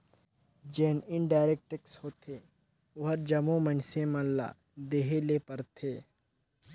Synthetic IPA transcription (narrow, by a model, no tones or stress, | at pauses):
d͡ʒeːnɪɳɖaːɾek̚ʈekshoːt̪ʰe | ʊɦəɾd͡ʒɐmõmə̃nsẽmɐ̃lːa̰ː | d̪eːɦeleːpəɾt̪ʰeː